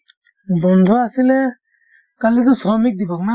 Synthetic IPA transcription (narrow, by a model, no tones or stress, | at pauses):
bɔnd̪ʱɔasilɛ | kalit̪ɔsɔmik̚d̪ibɔk̚na